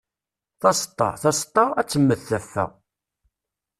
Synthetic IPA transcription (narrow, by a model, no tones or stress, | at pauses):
θɑst̪ˤːɑ̰θɑst̪ˤːɑæt͡sːəmːəθːæfːæ̰